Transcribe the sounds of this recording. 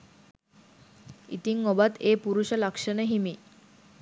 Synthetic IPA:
it̪iŋːobat̪epuɾuʂələkʂəneɦimi

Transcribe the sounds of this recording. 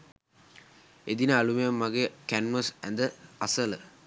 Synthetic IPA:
ed̪inəalumejəmːaɡekænməsænd̪əasələ

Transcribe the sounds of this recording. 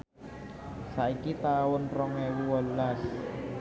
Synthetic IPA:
saikit̪aʊnrɔŋewuwalːas

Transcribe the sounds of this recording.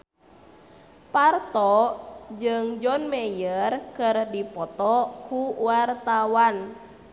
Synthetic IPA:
part̪ɔd͡ʒɨŋd͡ʒɔnmɛjərkɨrdipɔt̪ɔkuwart̪awan

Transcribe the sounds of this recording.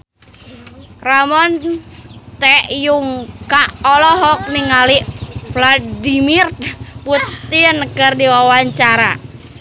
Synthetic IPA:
ramɔn | t̪ɛʔjuŋkaɔlɔɦɔk̚miŋaliʔfladimirputt̪inkɨrdiwawaɲt͡ʃaɾa

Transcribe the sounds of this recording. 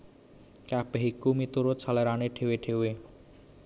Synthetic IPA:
kapeɦikumit̪uɾʊt̪̚saleɾaneɖʰʱeweɖʰʱewe

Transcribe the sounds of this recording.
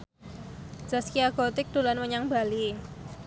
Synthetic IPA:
d͡ʒ̥askiaɡot̪ɪk̚d̥olanməɲaŋbali

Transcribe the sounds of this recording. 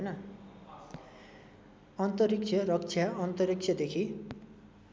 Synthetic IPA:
ojnʌ | ʌnt̪ʌɾik̚t͡sʰjʌrʌk̚t͡sʰjaʌnt̪ʌɾik̚t͡ʃʰjad̪ekʰi

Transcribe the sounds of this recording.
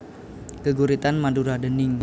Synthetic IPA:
kəɡuɾit̪anmanduɾadəniŋ

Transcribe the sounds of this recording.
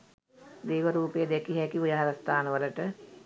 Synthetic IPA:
d̪iːʋəɾuːpəjəd̪ɛkiɦɛkiʋujaɦaɾəst̪ʰaːnəʋələʈə

